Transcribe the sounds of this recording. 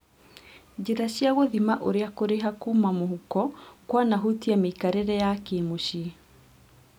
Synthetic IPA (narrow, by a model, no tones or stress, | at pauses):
d͡ʑeɾaɕjaɣoðimaʔoɾeakoɾeɦakumamoɦukɔkwanaɦutiameikaɾeɾɛjakemoɕi